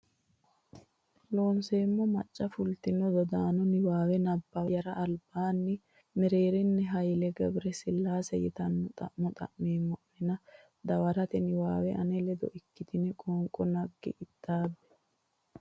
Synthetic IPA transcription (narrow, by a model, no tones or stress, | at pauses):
lo̞ːnse̞ːmːɔmɐ̰t͡ʃʼːɐfʊlt̪ɪnɔd̪ɔd̪aːnɔnɪwaːwɛnɐbːɐjɐɾɐʔːlbaːnːɪ | mɛɾe̞ːɾɪnːɛɦɐjlɛɡɐbɾɛsɪlːaːsɛjɪ̰t̪ɐnːɔt̪ʼɐ̰ʔmɔt̪ʼɐ̰ʔmeːmːɔʔmɛnɐ | d̪ɐwɐɾɐt̪ɛnɪwa̰ːwɛʔɐnɛlɛd̪ɔ̰ʔɪkːɪt̪ɪnɛkʼɔːŋkʼːɔnɐɡːɪ̰ʔɪt̪ːaːbːɛ̥